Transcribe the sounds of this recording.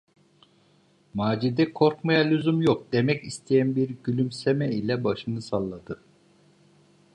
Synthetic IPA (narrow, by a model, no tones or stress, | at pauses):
maːd͡ʒid̪ɛkʰo̞ɾkmajalʲyzymjok̚d̪emɛcist̪ʰijænbiɾɟylʲymsemɛilʲɛbaʃɯnɯsalˠːad̪ɯ